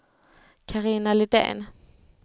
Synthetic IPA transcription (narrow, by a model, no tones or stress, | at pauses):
kʰaʁiːnalɪd̪ɛ̰ːn